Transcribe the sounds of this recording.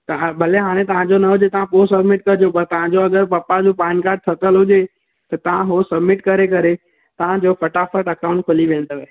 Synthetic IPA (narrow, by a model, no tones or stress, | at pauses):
t̪bʱɐleɦaːɽ̃ẽt̪ɐʋ̤ãd͡ʑonɐɦʊd͡ʑet̪ɐʋ̤ãpoːsɐbmɪʈkɐɾd͡ʑopɐɾt̪ɐʋ̤ãd͡ʑoɐɡəɾpɐpad͡ʑũːpaːɪnkaːɾɖ̚t̪ʰɐt̪əlɦʊʄe | t̪ɐt̪ɐʋ̤ãɦosɐbmɪʈkɐɾekɐɾe | t̪ɐʋ̤ãd͡ʑoːfɐʈafəʈɐkaʊ̃ɳʈ̚kʰʊliʋẽːnd̪oːʋe